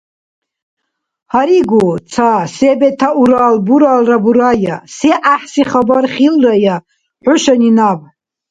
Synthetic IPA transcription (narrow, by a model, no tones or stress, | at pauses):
haɾiɡut͡sʰasebetʰaʔuɾalbuɾalrabuɾajaseʔaħsiχabarχʲilraja | ħʷʊʃaninab